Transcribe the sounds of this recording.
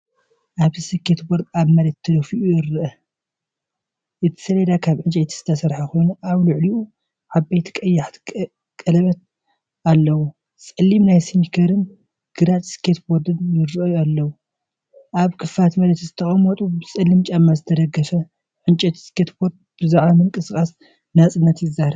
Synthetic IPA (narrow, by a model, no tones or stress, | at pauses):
ʔaβzisɨkʰet̪boɾd̪aβmɐlɐt̪ʰːɨlɐfiʔujɪɾɨʔɐ | ʔɨt̪ʰɨ̥sɐlɐd̪akʰaβʕɨnt͡ʃʼɐjt̪ʰi̥z̥ɨ̥t̪ʰɐsɐɾħaxo̞jnuʔaβlʊʕliu | ʕabajt̪ʰi̥kʼɐjːaħt̪ | kʼɐlɐβɐt̪̚ | alːɐwu | sʼɨlːimnajsinikʰɐɾɨn | ɡ̥ɨɾat̪skʰet̪boɾd̪ɨnjɪɾɨʔɨjalːɐwu | ʔaβkʰɨfat̪mɐlɐt̪izɨt̪ʰɐχʼɐmːɔt̪ʼubɨsʼɨlːimt͡ʃʼɐmːazɨt̪ʰɐd̪ɐɡɐfɐ | ʕɨnt͡ʃʼɐt̪skʰet̪boɾd̪̚bɨzaʕβamɨŋkʼɨsɨkʼas | nat͡sʼɨnːɐt̪jɪzːahɾɐ